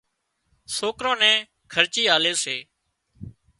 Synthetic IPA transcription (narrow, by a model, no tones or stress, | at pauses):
soːkɾõːnɛ̃ː | kʰəɾt͡ʃiːaːleːseː